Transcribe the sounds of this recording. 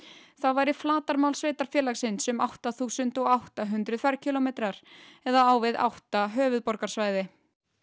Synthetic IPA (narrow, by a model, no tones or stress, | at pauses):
θawvajɾɪflaːt̪aɾmawlsveːjt̪aɾ̥fjɛːlaxsɪnsɛmawht̪aθuːsʏnt̪ɔɣawht̪aɦʏnt̪ɾʏðfaɾcʰɪlomejt̪ɾaɾ̥ɛðaaːwvɪða̰wht̪aɦœːvʏðpɔɾkaɾ̥svaːjðɪ